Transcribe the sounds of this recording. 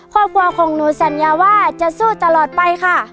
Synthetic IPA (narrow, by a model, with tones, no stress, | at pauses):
kʰɔː˧˩p̚kʰuː˧ɐkʰɔː˨˦ŋnuː˨˦sa˨˦njaː˧˦waː˧˥˨t͡ɕa˧˨ʔsuː˧˩˨t̪a˧lɔː˨˩t̪̚pa˧jkʰa˧˥˩